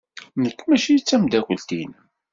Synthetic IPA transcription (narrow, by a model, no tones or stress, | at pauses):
nəkːmæʃijit͡sːæmd̪ækʷəlt̪ḭn